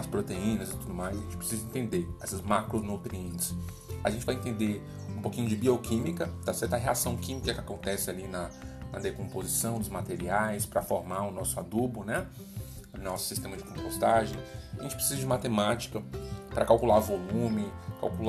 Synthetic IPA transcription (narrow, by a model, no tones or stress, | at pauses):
ɐspɾot̪eĩnɐzɪt̪ud̪ʊmajszaʒẽt͡ʃɪpɾɪsizɐẽnt̪ẽnd̪eɛsɐzmakɾonot̪ɾiẽnt͡ʃɪ̥s | a̰ʒẽnt͡ʃɪvajẽnt̪ẽnd̪eɾ | ũpokĩɲʊd͡ʒɪbiokʰĩmikɐd̪asɛɾt̪ɐɦeasɐ̃w̃kĩmikɐkɪakõnt̪ɛsɪalinɐnɐ̰d̪ekõmpozisɐ̃w̃d̪ʊzmat̪eɾiajspɾɐfoɾmaɾʊnɔsʊad̪ubʊnɛ | ʊnɔsʊ̥sist̪ẽmɐd͡ʒɪkõpost̪aʒẽaʒẽnt͡ʃɪpɾɪsizɐd͡ʒɪmat̪emat͡ʃi̥kɐpɾɐkawkulaɾvolũmɪ̃ka̰wkul